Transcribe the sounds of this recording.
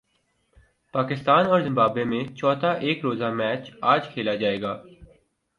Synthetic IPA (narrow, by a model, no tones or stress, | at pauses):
paːkɪst̪aːnɔːɾzɪ̃mbaːbemẽt͡ʃɔːt̪ʰaʔeːkɾoːzamɛːt͡ʃaːd͡ʒkʰeːlad͡ʒaːeːɡaː